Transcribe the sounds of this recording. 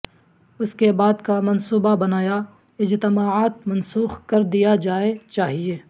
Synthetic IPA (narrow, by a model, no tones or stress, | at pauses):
ʊskebaːd̪kamɐnsuːbabɐnaːja | ɪd͡ʒt̪ɪmaːaːt̪̚mɐnsuːxkɐɾd̪ijad͡ʒaːet͡ʃaːɦieː